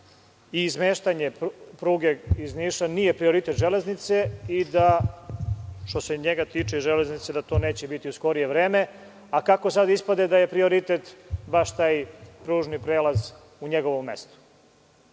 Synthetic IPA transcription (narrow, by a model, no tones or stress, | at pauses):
izmeːʃt̪aɲe̞pɾuːɡe̞izniʃaniːje̞pɾio̞ɾit̪e̞t̪ʒeleznit̪se̞id̪a | ʃt̪o̞se̞ɲeɡat̪iːt͡ʂeizʒele̞znit̪sed̪at̪o̞ːne̞ːt͡ɕebit̪iusko̞ɾije̞ʋɾe̞ːme̞ | akakosad̪ispad̪e̞d̪aje̞pɾio̞ɾit̪e̞t̪baʃt̪aːjpɾuːʒnipɾeːlaz | uɲeɡo̞ʋomːest̪o̥